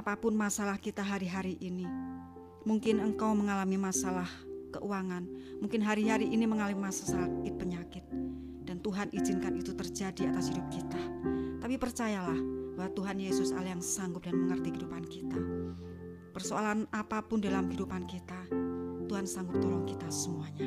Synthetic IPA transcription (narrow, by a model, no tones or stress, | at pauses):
ʔapapʊnmasalahkit̪aɦaɾiɦaɾiʔini | muŋkɪnəŋkawməŋalamimasalahkə̰ʔuwaŋanmuŋkɪnɦaɾiɦaɾiʔiniməŋalamimasḁsakɪt̪̚pəɲakɪt̪̚ | d̥ant̪uɦanʔizɪnkanit̪ut̪ərd͡ʒadiat̪asɦidʊp̚kit̪at̪apipərt͡ʃajalahbawat̪uɦanjesʊsa̰lajaŋsaŋɡʊp̚danməŋərt̪iɦidupankit̪a | pərsoalanapapʊndalamidupankit̪at̪uɦansaŋɡʊp̚t̪ɔlɔŋkit̪assəmuaɲa